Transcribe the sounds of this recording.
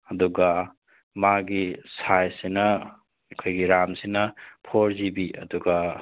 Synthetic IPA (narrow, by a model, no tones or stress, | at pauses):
ɐduɡɐ | maɡisajsenɐ | kʰojɡiɾamsenɐpʰoɾzibiʔɐ̰duɡa